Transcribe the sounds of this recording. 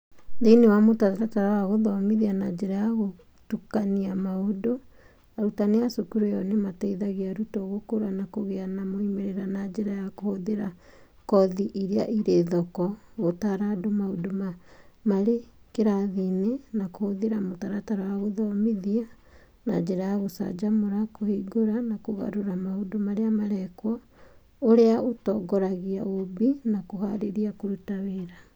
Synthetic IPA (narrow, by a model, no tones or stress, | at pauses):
deinewamotaaɾataɾawaɣoðɔmiðianad͡ʒeɾajaɣo | tukaniamaodo | aɾutaneasokuɾejɔnematɛiðaɣeaɾutoɣokoɾanakoɣeanamoimeɾeɾanad͡ʒeɾajakohoðeɾa | kɔðiʔiɾeaʔiɾeðɔkɔɣotaɾadomaodomamaɾekeɾaðinenakohoðeɾamotaɾataɾawaɣoðɔmiðia | na̰d͡ʒɛɾajaɣosa̰d͡ʒamoɾakohiɡoɾanakoɣa̰ɾoɾamahodomaɾeamaɾɛkwɔ | oɾeaotɔːɡɔɾaɣia̰obinakohaɾeɾiakoɾutaweːɾa